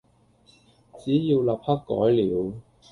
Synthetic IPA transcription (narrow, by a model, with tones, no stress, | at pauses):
t͡siː˨˥jiː˧wlɐ˨p̚hɐ˥k̚kːɔ̰ː˨˥jliː˨˥w